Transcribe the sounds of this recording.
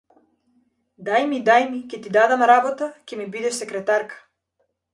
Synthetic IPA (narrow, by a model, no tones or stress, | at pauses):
d̪ajmid̪ajmikʲɛt̪id̪ad̪amɾabɔt̪acʲɛmibid̪ɛʃsɛkɾɛt̪aɾkḁ